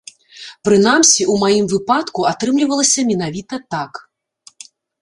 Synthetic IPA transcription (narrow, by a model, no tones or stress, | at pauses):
pɾɨnamsʲiʔumajimvɨpat̪kuat̪ɾɨmlʲivɐlˠɐsʲɐmʲin̪avʲit̪ɐt̪ak